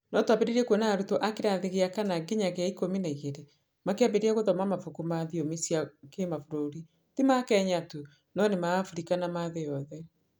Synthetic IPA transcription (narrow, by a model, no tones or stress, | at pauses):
nɔtwabeɾeɾiɛkɔnaːɾutoʔakeɾaðeɣeakanaɡeɲaɣeaikominaiɣeɾe | makeabeɾiaɣoðɔmamafokumaðiomisiakemafoɾoɾi | timakɛɲatu | nɔnemaːfuɾikanamaðejɔðɛ